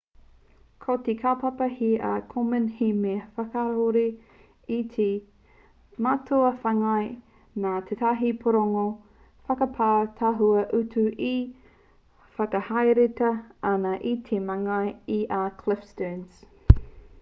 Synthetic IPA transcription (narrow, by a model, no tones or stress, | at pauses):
kʰot̪ekʰapɐpɐhiakʰomənhimefɐkaɾoɾi | it̪ʰe | matʰoɐfɐŋɐj | naːt̪ʰetʰaɦipʰoɾoŋo | fɐkɐpʰatʰaɦuɐʔʉtʰʉʔi | fɐkɐhajɾetɐɐnɐʔit̪ʰemɐŋɐjiʔakʰlɪfstəns